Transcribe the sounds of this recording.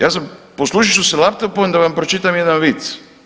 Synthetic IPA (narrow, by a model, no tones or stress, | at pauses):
jaːs̬amposlˠuːʃiʃuselap̚t̪opond̪aʋampɾot͡ʃit̪amjed̪anʋit̪s